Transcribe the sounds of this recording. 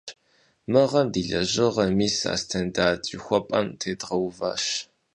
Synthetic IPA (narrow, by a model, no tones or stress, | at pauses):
mɨʁɐmdiːɮɐʑɨʁɐmiːsa̰ːstʰɐndaːtʼixʷɔpʼɐmtʰeːdʁɐwva̰ːʃ